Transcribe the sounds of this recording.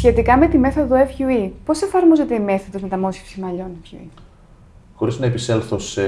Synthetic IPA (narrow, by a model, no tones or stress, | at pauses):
sçe̞t̪ikɐme̞t̪ime̞θo̞ðoefçuipo̞se̞fɐɾmo̞zet̪e̞ime̞θoðo̞zme̞t̪ɐmo̞sçefsimɐʎo̞nefçṵḭ | xo̞ɾiznɐepiselθos